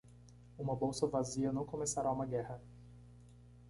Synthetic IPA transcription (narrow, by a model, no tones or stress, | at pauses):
ũmɐbowsɐvaziɐnɐ̃w̃komesaɾaũmɐɡɛhɐ